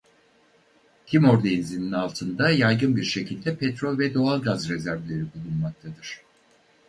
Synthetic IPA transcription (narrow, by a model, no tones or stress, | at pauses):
c̪ʲʰimo̞ɾd̪einzininalˠt̪ʰɯnd̪ajajɡɯnbiɾʃe̞cʰilʲd̪ɛpʰɛt̪ɾolʲvɛd̪o̞alˠɡazɾezæɾvlʲe̞ɾibulˠunmak̚t̪ʰad̪ɯɾ̝̥